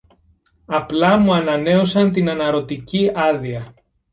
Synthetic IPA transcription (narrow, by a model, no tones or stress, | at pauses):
ɐplɐmuɐnɐne̞o̞sɐnt̪inɐnɐɾo̞t̪iciɐðiɐ